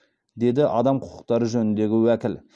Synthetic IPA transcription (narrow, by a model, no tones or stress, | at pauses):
d̪e̞d̪ɪʔɑ̰d̪ɑmqʰʊ̥qʊ̥qt̪ɑɾəʒɵnɪnd̪e̞ɡʲɪwækʲɪl